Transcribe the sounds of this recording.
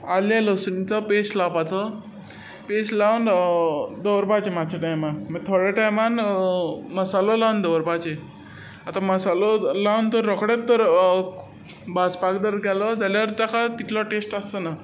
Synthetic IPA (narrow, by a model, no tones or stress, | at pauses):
alalɔsunit͡sɔpeslapat͡sɔ | peslawn | d̪əwɾbat͡ɕemad͡ʑʰaʈajmanməɡt̪ʰoɽeʈajman | məsalɔlaʋnd̪əʋɾbat͡ɕe | at̪aməsalɔlawnt̪əɾːɔkɽat̪ːəɾ | baspakd̪əɾɡʱalɔd͡zaljaʋəɾt̪jakʰat̪it̪lɔʈesʈasəna